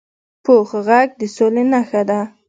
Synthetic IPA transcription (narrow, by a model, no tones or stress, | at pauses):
poxɣaɡ̚d̪əsolenaxad̪a